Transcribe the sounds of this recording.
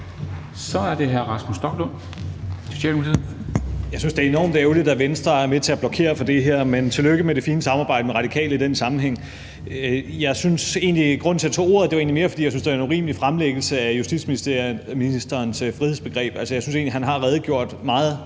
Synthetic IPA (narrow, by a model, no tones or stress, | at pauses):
sɒ̽æɐd̥e̝ɦæɐʁɑ̈smusd̥ɒ̽ɡ̥lon̰ | ɕemʰi | jɑ̈ɪsynsd̥e̝æɐe̝nɒ̰ːmd̥eʊlid̥æʋensd̥ʁɐæɐmet͡sʰe̝æb̥lɒ̽kʰe̝̰ːɐfɒ̽d̥e̝ɦeɐ̰ment͡sʰe̝løɡ̥əmeɾe̝fiːnəsɑ̈mɑ̈ːb̥ɑ̈ɪ̰dəmeʁɑ̈ɾ̥ikʰɛ̰ːləid̥ensɑ̈mn̩ɦeŋ̰ | jɑ̈ɪsynse̝̰ːnliɡ̥ʁɔ̽n̰t͡sʰeɐt͡sʰo̝̰ːo̝ɐðˠde̝ʋɑ̈e̝̰nlime̝ːɐfɒ̽d̥ḭːjɑsynsd̥eæenuʁḭːməlifʁamleɡ̥l̩səæjusd̥ḭd̥sminisminisd̥ɐːnsfʁihḛsb̥e̝ɡ̥ʁɛ̰ːb̥ælsəjɑsynse̝ːnliɦænɦɑ̈lʁɛːð̞̩ˠɡ̥jo̝ɐ̰d̥mɑ̈ːð̩ˠ